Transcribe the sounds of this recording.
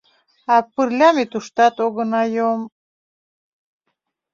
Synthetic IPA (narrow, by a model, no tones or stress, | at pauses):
ɑpɨrlʲɑmet̪uʃt̪ɑt̪oɡə̆nɑjom